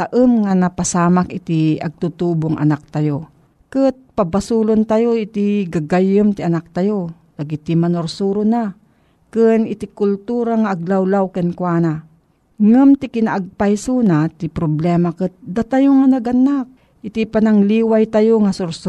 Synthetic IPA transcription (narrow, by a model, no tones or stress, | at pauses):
aʔəmŋanapasaːmakɪt̪iɐ̰ɡ̚t̪ut̪uːboŋʔa̰nak̚t̪ajo | kɨt̪̚pabasulont̪ajoʔit̪iɡaɡajɨmt̪iʔanak̚t̪ajo | laɡit̪imanoɾsuɾʊna | kɨnɪt̪ikʊlt̪uɾaŋaʔːɡ̚lawlawkɨnkwana | ŋɨmt̪ɪkɪnaʔaɡ̚pajsunat̪ipɾoblɛmakɨt̪̚d̪at̪ajoŋanaɡanak̚ | ʔɪt̪ipanaŋliːwajt̪ajoŋasʊɾs